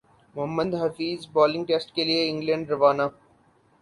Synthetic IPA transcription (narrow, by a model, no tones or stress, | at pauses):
mʊɦəmːəd̪ɦɐfiːzbɔːlɪ̃ŋɡ̚ʈeːsʈkelieɪ̃ŋɡlə̃ɳɖɾɐʋaːnaː